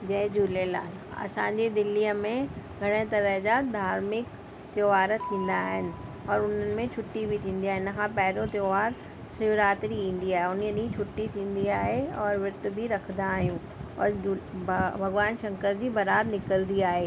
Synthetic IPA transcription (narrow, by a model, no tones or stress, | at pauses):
d͡ʑɐɦd͡ʑuːlela̰ːl | ɐ̰sãːɲ̆d͡ʑid̪ɪlːiəmẽɡʱɐɽ̃et̪ɐɾəɦd͡ʑad̪ʱaːɾmɪk | t̪joːʋaːɾt̪ʰĩːn̆d̪aːɦɪnɪ̆ɔːɾʊn̤ənɪ̆mẽt͡ɕʰʊʈːibʱɪt̪ʰĩːnd̪iaːɦɪnə̆kʰãpɛɦɪɾot̪joːʋaːɾ | sɪʋɾaːt̪ɾiĩːn̆d̪iaːɦeʊniəɗĩt͡ɕʰʊʈːit̪ʰĩːn̆d̪iaːɦeɔːɾʋɪɾt̪̆bʱiɾɐkʰd̪aːɦijũː | ɔːɾbbʱɐɣʋaːnʃɐ̃ŋkəɾd͡ʑibɐɾaːd̪nɪkəld̪iaːɦeː